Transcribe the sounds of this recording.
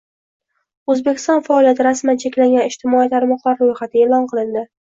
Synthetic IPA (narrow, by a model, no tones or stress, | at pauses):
ɵzbe̞kʲɪ̥st̪ɒnfaɒlijat̪ʰɪɾasmant͡ʃʰekʲlaŋɡʲanɪʃt̪ʰɪmɒit̪ʰaɾmɒqlˠaɾɾojχat̪ʰɪeːlˠɒnqʰɨlˠɪnd̪ɪ